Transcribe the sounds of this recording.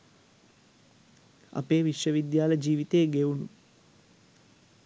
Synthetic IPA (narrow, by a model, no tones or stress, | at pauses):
ɐ̰peːʋiʃʋɐʋid̪jaːlɐd͡ʒiːʋit̪eːɡeunu